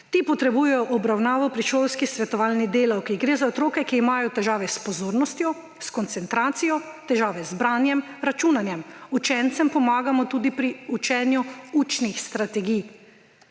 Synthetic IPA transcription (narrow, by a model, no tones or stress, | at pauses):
t̪iːpɔt̪ɾɛbuːjɛjɔʔɔbɾawnaːʋɔpɾiʃowskisʋɛt̪ɔʋaːlnid̪eːlawkiɡɾeːzaɔt̪ɾoːkɛkiːmajɔt̪ɛʒaːʋɛspɔzoːɾnɔst̪jɔ | skɔnt̪sɛnt̪ɾaːt̪sijɔt̪ɛʒaːʋɛzbɾaːnjɛmɾat͡ʃuːnanjɛmut͡ʃɛnt̪sɛmpɔmaːɡamɔt̪uːd̪ipɾiut͡ʃɛnjuut͡ʃnixst̪ɾat̪ɛɡij